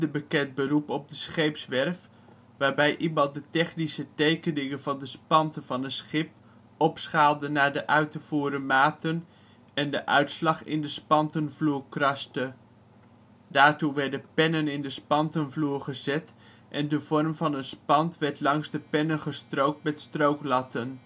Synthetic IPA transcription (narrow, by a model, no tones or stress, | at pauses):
dəbəkɛt̚bəɾupɔb̚dəsχejpsʋɛrf | ʋaːɹbɛjʔibɑlˠdətɛχnisətejkənɪŋənvɑndəspɑntəv̥ɑnənsχɪp | ɔpsχaːlˠdənaːɹdəʔœɥtəv̥uːɾəmaːtən | ɛndəʔœ̰ɥtslɑχɪ̰ndəspɑntənvluːɹkrɑstə | daːɹtuʋɛɹdəpɛnənɪndəspɑntənvluːɹχəzɛt | ʔɛndəv̥ɔrmvɑnənspɑntʋɛɹtlɑŋzdəpɛnənχəstrowk̚t̚mɛtstrowklɑtən